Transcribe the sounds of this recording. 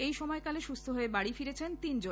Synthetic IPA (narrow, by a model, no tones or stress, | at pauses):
ejʃɔmɔekaleʃust̪ʰoɦoebaɽifiɾet͡ɕʰent̪ind͡ʑon